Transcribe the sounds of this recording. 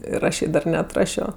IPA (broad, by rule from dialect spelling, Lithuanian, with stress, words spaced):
ɪr ˈɐʃ jɛɪ ˈdɐr nʲɛɐtˈrɑːʃʲoː